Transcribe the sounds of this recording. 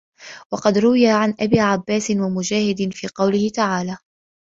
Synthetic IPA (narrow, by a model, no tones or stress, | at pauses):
wɑqɑd̪ɾʊwɪjaʕanʔabiːʕabːaːsɪnwamʊd͡ʒaːhɪd̪ɪnfiːqɑwlɪhɪt̪aʕaːlaː